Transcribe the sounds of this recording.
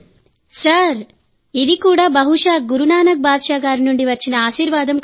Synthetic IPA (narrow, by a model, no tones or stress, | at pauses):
sɐɾ | iðikuːɽɐbɐɦuʂaːɡuɾunaːnɐk̚baːd̪ʃaːɡaːɾinuɳɖiʋɐt͡ʃːinɐaːʃiːɾʋaːd̪ɐmk